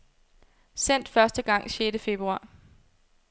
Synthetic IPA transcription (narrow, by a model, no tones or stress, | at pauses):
sen̰d̥fɶɐsd̥əɡ̥ɑ̈ŋ̰ɕjeːdəfe̝b̥ʁuɑ̰̈ː